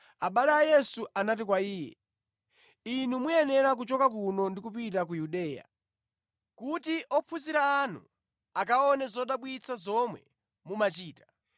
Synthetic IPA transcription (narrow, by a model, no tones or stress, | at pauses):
aɓalɛajɛsuʔanat̬ik̬waiːjɛ̰ | inumujɛnɛɾak̬ut͡ʃɔkak̬unɔndikupitak̬ujuɗɛːja̰ | kutiʔɔpʰuziɾaːnṵ | akaɔnɛzɔɗaɓwit͡sʰazɔmwɛ̰ | mumat͡ʃiːtḁ